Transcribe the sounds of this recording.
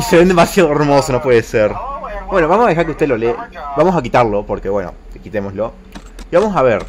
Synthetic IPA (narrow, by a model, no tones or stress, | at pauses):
iseβend̪emasjaðoe̞ɾmo̞sono̞pwe̞ðeseɾbwe̞no̞βamosaðexaɾkeust̪e̞lolebamos̬ak̬it̪aɾlo̞poɾke̞βwe̞no̰ekit̪emo̞slo̞ | iβamo̞saβe̞ɾ